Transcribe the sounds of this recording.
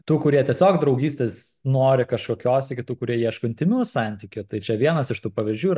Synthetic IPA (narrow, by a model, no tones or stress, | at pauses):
t̪uːkʊɾʲiɛt̪ʲiɛsʲoːkd̪ɾɐʊɡʲiːsʲt̪ʲeːs | noːɾʲɪkɐʃkoːkʲoːsɪkʲɪt̪uːkʊɾʲiɛjiɛʃkoɪnʲt̪ʲɪmʲuʊsɑˑnʲt̪ʲiːkʲʊt̪ɐɪt͡ʃʲɛʋʲiɛnɐsɪʃt̪uːpɐʋʲɪzʲd͡ʒʲuːiɾ